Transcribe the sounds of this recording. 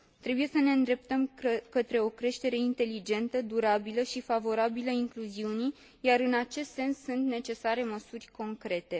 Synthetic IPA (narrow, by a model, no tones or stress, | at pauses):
t̪ɾe̞buje̞səne̞ɨnd̪ɾe̞p̚t̪əmkət̪ɾe̞o̞kɾe̞ʃt̪e̞ɾe̞int̪e̞lid͡ʒe̞nt̪əd̪uɾabiləʃifavo̞ɾabiləiŋkluziuni | jaɾɨnat͡ʃe̞st̪se̞nsːunt̪ne̞t͡ʃe̞saɾe̞məsurʲko̞ŋkɾe̞t̪e̞